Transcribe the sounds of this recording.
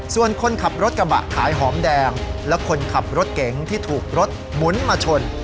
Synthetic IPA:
su˨˩ənkʰo˧nkʰa˨˩p̚ɾo˦˥t̪̚kɾa˧ba̰˨˩ʔkʰaː˩˦jɦɔː˩˦mdɛː˧ŋlɛ˦˥kʰo˧nkʰa˨˩p̚ɾo˦˥t̪̚ke˩˦ŋt̪ʰiː˥˩t̪ʰuː˨˩k̚ɾo˦˥t̪̚ | mu˩˦nmaː˧t͡ɕʰo˧n

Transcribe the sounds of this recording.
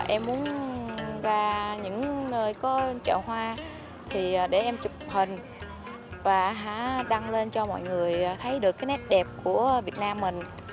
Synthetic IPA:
ʔɛ˧mːu˨˦ən | vaː˨˩ɲɨ̰˧˥ŋnəː˧jkɔ˨˦t͡ɕə̰ː˧˩wɦwaː˧ | t̪ʰi˨˩˨ɗe˧˩ʔɛ˧mt͡ɕʊ˨˩k͡p̚hï˨˩ŋ̟ | vaː˨˩ɦa̰ː˧˥ɗa˧ŋle˧nt͡ɕɔ˧mɔ̰˧˨jŋɨ˨˩əjt̪ʰə˨˦jɗɨ˨˩əkːaː˨˦jnɛ˦˥p̚ɗɛ˨˩p̚ku˧˩əvi˨˩ət̚naː˧mːï˨˩ŋ̟

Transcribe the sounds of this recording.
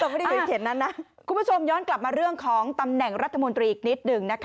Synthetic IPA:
t̪o˧ma˥˩˥k̪ʰe˨˩˦nːa˦˥nːa˦˥ | kʰu˧mbu˦˥t͡ɕʰo˧mjɔː˦˥nkla˨˩p̚maː˧ɾɯ˥˩əŋkʰɔː˩˦ŋt̪a˧mnɛ˨˩ŋɾa˦t̪ʰːmo˧nt̪ɾiː˧ʔk̚ni˦˥t̪̚nɯ˨˧ŋna˦˥kʰ

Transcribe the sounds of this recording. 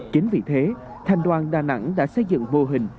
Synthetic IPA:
t͡ɕi˨˦ŋ̟vḭ˨˩t̪ʰe˨˦ | t̪ʰa˨˩jŋ̟ɗwaː˨˩nɗaː˨˩na̰˧˥ŋɗa̰ː˧˥sə˧jzɨ̰˧˨ŋmo˧ɦï˨˩ŋ̟

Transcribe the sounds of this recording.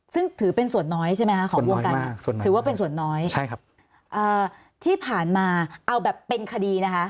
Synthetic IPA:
sɯ˥˩ŋt̪ʰɯː˩˦pe˧nsu˨˩ənːɔː˦˥jt͡ɕʰa˥˩ma˦jkʰa˦˥kɔː˨˩wo˧˦ka˧anː˥˩u˨˩ɯː˩˦waː˥˩pe˧ns̬u˨˩ənːɔː˦˥jʰa˥˩jkʰ | ʔɤː˨˩ | t̪ʰiː˥˩pʰaː˨˩nmaː˧ʔa˧wbɛː˨˩pːe˧nkʰa˧diː˧na˦˥kʰa˦˥ʔ

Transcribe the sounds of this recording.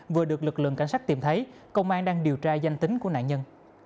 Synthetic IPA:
vɨ˨˩əɗɨ˨˩ək̚lɨ˨˩k̚lɨ̰˧˨ŋka˧˩ŋ̟saː˦˥k̚t̪i˧˩mt̪ʰə˨˦j | kə˧wŋ͡mʔaː˧ŋɗaː˧ŋɗi˨˩əwt͡ɕaː˧za˧jŋ̟t̪ï˨˦ŋ̟ku˧˩əna̰ː˧˨ɲə˧n

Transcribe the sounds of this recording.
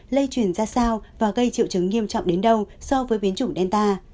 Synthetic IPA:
lə˧jt͡ɕwi˧˩ənzaː˧saː˧wvaː˨˩ɣə˧jt͡ɕḭ˧˨wt͡ɕɨ˨˦ŋːi˧əmt͡ɕɔ̰˧˨wŋ͡mɗe˨˦nɗə˧wsɔ˧vəː˨˦jɓi˨˦ənt͡ɕʊ˧˩ŋ͡mɗɛ˧nt̪aː˧

